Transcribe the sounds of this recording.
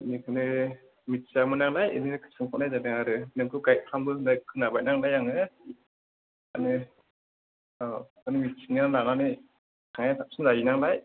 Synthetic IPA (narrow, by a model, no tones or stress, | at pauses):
nikʰɯnɯ | mitsamɯnaŋlajɯninɯkʰɯ̥sɯŋkʰanajzanɯŋaɾɯnɯŋkʰɯɡaj̚kʰambɯnakʰɯnabaj̚naŋlajaŋɯ | anɯ | anɯmit̚sʰiŋnaŋlananɯj | kʰaŋatʰap̚sɯnzajinaŋlaj